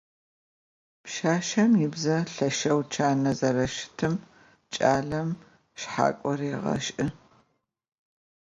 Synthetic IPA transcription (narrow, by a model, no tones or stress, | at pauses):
pʃaːʃɐmjɪbzɐɬɐʃɐwt͡ʃʰaːnɐzɐrɐʃɪ̥tʰɨm | t͡ʃʼaːɮɐm | ʃħa̰ːkʷʼɔreːʁɐ̰ʃʼʔɨ